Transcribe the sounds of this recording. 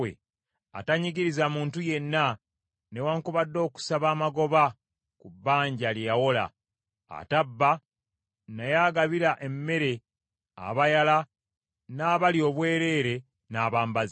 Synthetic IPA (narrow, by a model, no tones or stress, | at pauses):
ḛ | a̰taɲiɡiɾizamuːntuje̞nːa | ne̞waːŋkuβadːo̞ːku̥saβaːmaɡo̞βa | kubːaːɲɟaljijawo̞la̰ | a̰tabːa | najaɡaβiɾaʔe̞mːe̞ɾe̞ | a̰βajala | naːβaljo̞ːβweːɾe̞ːɾe̞ | naːβaːmbaz